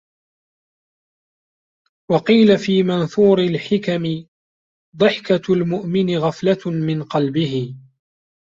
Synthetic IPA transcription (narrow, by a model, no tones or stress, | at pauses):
wɑqiːlafiːmanθuːɾɪlħɪkamɪ | d̪ˤɨħkalmʊʔmɪnɪɣɑflamɪnqɑlbɪɦɪ